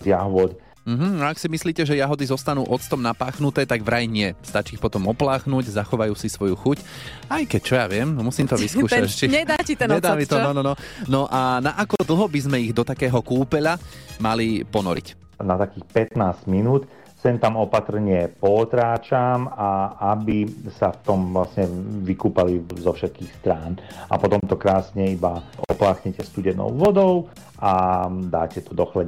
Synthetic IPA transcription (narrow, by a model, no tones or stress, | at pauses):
zjaɦʊɔd̪ | m̩ːɦm̩aaksimisliːcɛʒɛjaɦɔd̪izɔst̪anuːʔɔt͡st̪ɔmnapaːxnut̪ɛːt̪aɡʋɾajɲɪɛst̪at͡ʃiːxpɔt̪ɔmɔplaːxnuːɟzaxɔʋajuːsisʋɔjuxuc | ajkɛc̚t͡ʃɔjaʋɪɛmmusiːmt̪ɔʋiskuːʃat͡ʃiɲɛd̪aːcit̪ɔɲɛd̪aːmit̪ɔɔnɔnɔnɔʔanaʔakɔd̪l̩ˠɦɔbizmɛiɣd̪ɔt̪akɛːɦɔkuːpɛʎamalipɔnɔ̰ɾḭc | nat̪akiːxpɛt̪naːzɟminuːt̪ | sɛnt̪amɔpat̪r̩ɲɪɛpɔːt̪ɾaːt͡ʃamaabisaft̪ɔmʋlasɲɛʋikuːpalizɔfʃɛt̪̚kiːxst̪ɾaːna̰pɔt̪ɔmt̪ɔkɾaːsɲɛibaɔ̰plaːxɲɛcɛst̪uɟɛnɔ̰ʊʋɔd̪ɔʊ | ad̪aːcɛt̪ɔd̪ɔxlɛ